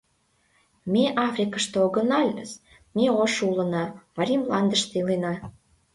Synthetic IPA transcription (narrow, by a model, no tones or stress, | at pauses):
meʔɑfrʲikəʃt̪ooɡə̆nɑlʲəs | meoʃulə̆nɑmɑɾʲimlɑnd̪ə̆ʃt̪elenɑ